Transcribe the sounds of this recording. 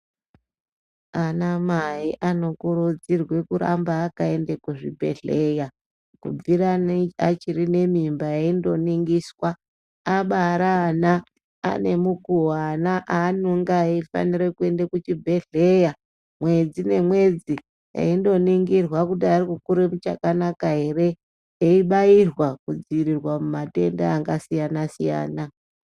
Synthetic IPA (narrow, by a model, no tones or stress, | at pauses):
anamaiʔano̞kuɾud͡zirwe̞kuɾa̰mbaːkae̞ndekuʐḭbʱe̞̰ɮeja | kṵiɾanat͡ʃiɾine̞mimbajaindo̞niŋɡiswa | aɓaɾaːna̰ː | ne̞mukuwanaʔaːnuŋɡaeifa̰niɾekue̞ndakut͡ʃibʱe̞ɮe̞ja | mwe̞d͡zine̞mwe̞d͡zi | ja̰indo̞niŋɡirwakuɗarikukuɾemut͡ʃa̰kanakaɦe̞re̞ | eiɓairwakud͡ziiɾirwamumate̞ndaːŋɡasijanasija̰ːna